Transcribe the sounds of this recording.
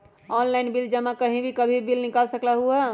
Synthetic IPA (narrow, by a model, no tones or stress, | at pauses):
ɔnlaɪnbild͡ʒəmãkəɦĩbʱikəbʱibilnɪkalsəklaɦuɛ